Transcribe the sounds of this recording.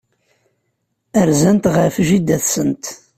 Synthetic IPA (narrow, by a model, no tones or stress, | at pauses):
əɾzænt̪ʁəfʒid̪æθsənt̪